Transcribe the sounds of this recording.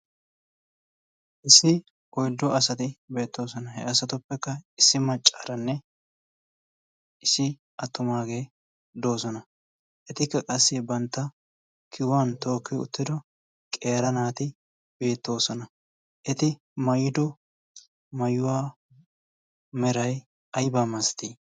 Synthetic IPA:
ʔɪsːɪ | ɔjd̪ːɔɐsɐt̪ɪbe̞ːt̪ːo̞ːsɔnɐhɛɐsɐt̪ʊpːɛkːɐɪsːɪmɐt͡ʃʼːaɾɐnːɛ | ʔɪsːɪ | ɐt̪ːʊmaːɡe̞ː | d̪o̞ːsɔnɐ | ʔɛt̪ɪkːɐkʼɐsːɪbɐnt̪ːɐ | kʰɪwaːnt̪o̞ːkːɪʊ̰t̪ːɪd̪ɔ | kʼe̞ːɾɐnaːt̪ɪ | be̞ːt̪ːo̞ːsɔnɐ | ʔɛt̪ɪ | mɐjɪd̪ɔ | mɐjʊwaː | mɛɾɐj | ɐjbaːmɐst̪iː

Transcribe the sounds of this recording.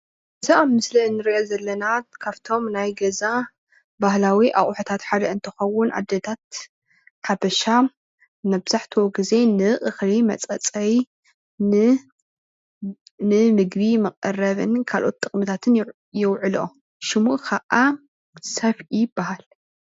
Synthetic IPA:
ɨzaʔamːɨslɐnːɨɾiʔozɐlːɐnakʰaβt̪ʰo̞mnajɡɐza | bahlawiʔa̰χʼħot̪ʰat̪ħad̪ɐɨnt̪ʰɨ̥xɐwːʊnʔa̰d̪ːɐt̪ʰat̪ | ħabɐʃa | mɐbz̥aħt̪ʰiwoɡize̞nɨʔʼɨxlimɐ̰t͡sʼɐt͡sʼɐj | nɨmɨɡβimɐqʼɐrɐβɨ̰nkʰalʔo̞̰t̪ːʼɨχʼmɨt̪ʰat̪ʰɨn | jɪwʕɨlo̰ | ʃɨmuʔkʰaʔa | sɐfijb̥ːaɦal

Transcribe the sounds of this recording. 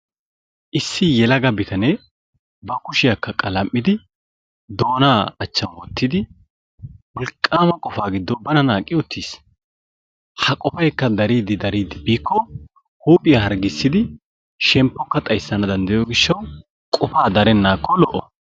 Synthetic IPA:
ʔɪsːɪjɛlɐɡɐbɪt̪ʰɐne | bɐkʊʃɪjɐkːɐkʼɐlɐmʼːɪd̪ɪ | d̪o̞ːnaːɐt͡ʃːɐnwɔt̪ːɪd̪ɪ | wɔlkʼːaːmɐkʼɔfaːɡɪd̪ːɔbɐnɐnaːkʼːɪɔt̪ʰːiːs | hɐkʼɔfɐjkːɐd̪ɐɾiːd̪ɪd̪ɐɾiːd̪ɪbiːkʰːɔ | huːpʼɪjɐhɐɾɡɪsːɪd̪ɪ | ʃɛmpːɔkːɐt̪ʼɐjsːɐnɐd̪ɐnd̪ɐjɔːɡɪʃːɐw | kʼɔfaːd̪ɐɾɛnːaːkʰːɔlɔʔɔ

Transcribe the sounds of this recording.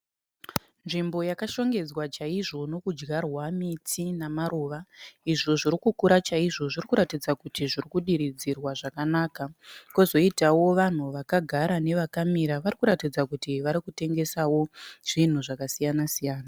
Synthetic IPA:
nʐimbo̞jakaʃo̞ŋɡe̞d͡zwat͡ʃaiʐo̞no̞kud͡ʒɡarwamitinamaɾoːʋaiʐo̞ʐiɾikukuɾat͡ʃaiʐo̞ʐirikuɾatid͡zakutiʐirikuɗiɾid͡zirwaʐakanaːkakozo̞itawo̞ʋan̤uʋakaɡʱaɾane̞ʋakamiɾaʋaɾikuɾatid͡zakutiʋaɾikute̞ŋɡe̞sawo̞ʐ̥in̤uʐakasijanasijaːna

